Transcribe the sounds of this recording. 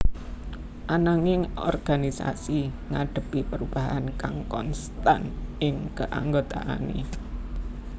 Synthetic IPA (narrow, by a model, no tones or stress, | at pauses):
ʔanaŋɪŋɔ̰rɡ̥anisa̰si | ŋaɖ̥ə̤pipəɾub̥aɦankaŋkɔnst̪anʔɪŋkəʔa̰ŋɡot̪a̰ʔa̰nḛ